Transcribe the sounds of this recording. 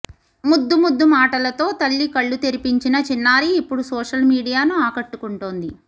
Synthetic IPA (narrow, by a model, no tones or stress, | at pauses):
mud̪ːumud̪ːumaːʈɐlɐt̪o̞ːt̪ɐɭːikɐɭːut̪eɾipiɲt͡ʃinɐt͡ʃinːaːɾiːpːuɽusɔːʂɐlmiːɽijaːnuaːkɐʈːukuɳʈoːnd̪i